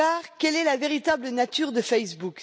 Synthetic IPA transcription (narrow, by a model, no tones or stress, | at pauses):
aʁkʲɛlɛlaveʁit̪ablənat̪yʁd̪əfɛjsbuk